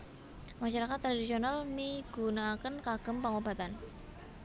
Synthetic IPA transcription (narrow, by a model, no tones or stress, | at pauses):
maʃaɾakat̪ːɾadisionalmiɡ̥unakənkaɡ̥əmpəŋoba̤t̪an